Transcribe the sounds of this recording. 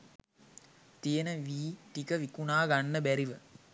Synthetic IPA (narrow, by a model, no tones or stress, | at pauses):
t̪ijənəʋiːʈikəʋikunaːɡanːəbæɾiʋə